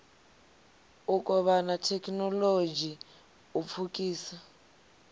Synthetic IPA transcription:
ukʼɔβanatʰɛkʰʼnɔlod͡ʒʱi | up̪fʰukʼiːsa

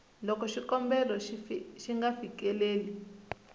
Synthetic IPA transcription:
lɔkɔʃikɔmbɛlɔʃiŋɡafikɛleːli

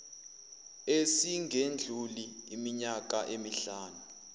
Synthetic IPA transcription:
esiŋɡʱend͡ɮʱuliːmiɲak̬ʼaʔemiɬaːnu

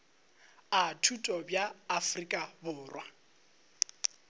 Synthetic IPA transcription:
atʰutʼɔbjaːfrikʼabʊːrwa

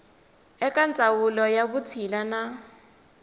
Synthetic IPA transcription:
ɛkʼant͡sʼawulɔjaβut͡sʰilana

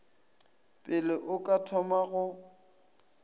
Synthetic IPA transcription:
pʼɪlɪʔʊkʼatʰɔmaɣʊ

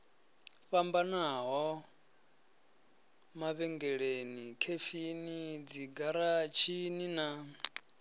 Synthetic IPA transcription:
ɸambanaɦɔ | maβɛŋɡɛɺenikʰefinid͡ziɡaɾat͡ʃʰinina

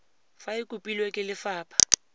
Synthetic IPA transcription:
faɪkʼupʼilwekʼɪlɪfaːpʰʼḁ

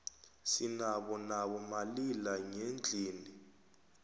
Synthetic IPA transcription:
sinaɓɔnaɓɔmalilaŋend͡ɮʱiːni

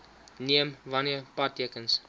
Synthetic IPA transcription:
niəmvɐniəpɐtːiəkəns

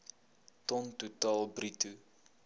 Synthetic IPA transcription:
tɔntutɑːlˠbritu

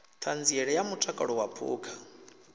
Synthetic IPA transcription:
t̪ʰand͡ziɛɺɛjamutʼakʼa̰ɺɔwapʰṵːkʰḁ

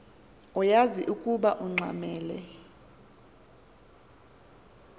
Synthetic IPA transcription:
ɔjaziʔukʼuɓaʔuŋ͡ǀʱa̰mɛːlɛ

